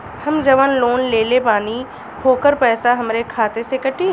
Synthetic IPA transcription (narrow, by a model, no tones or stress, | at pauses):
hɐmd͡ʒɐʋənloːnleːlepaːni | ɦʰoːkəɾpɛːsaɦɐmɾekʰaːt̪esekɐʈi